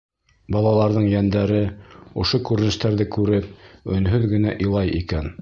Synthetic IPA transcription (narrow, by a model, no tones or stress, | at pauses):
bɑlˠɑlˠɑɾðɤɴjænd̪æɾɘŏʃokʉɾɘ̆nɘ̆ʃt̪æɾðɘkʉɾɘp̚ɵ̆nɦɵðɡɘ̆næʔĭlˠɑjʔikæn